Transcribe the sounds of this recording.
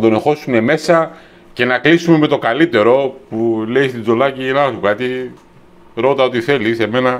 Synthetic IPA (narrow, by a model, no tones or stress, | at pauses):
d̪o̞ne̞xo̞sune̞me̞sɐ | ce̞nɐklisume̞me̞t̪o̞kɐlit̪e̞ɾo̞pule̞ist̪izo̞lɐcinɐsukɐt̪i | ɾo̞t̪ɐo̞t̪iθe̞lise̞me̞nɐ